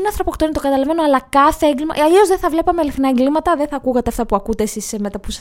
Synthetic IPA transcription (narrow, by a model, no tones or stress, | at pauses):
neɐnθɾo̞po̞kt̪onit̪oɡɐt̪ɐlɐve̞noɐlɐkɐθeeŋɡlimɐ̰ɐʎio̞zðeθɐvle̞pɐmeliθnɐeŋɡlimɐt̪ɐðeθɐkuɣɐt̪eɐft̪ɐpuɐkut̪e̞sisemet̪ɐpus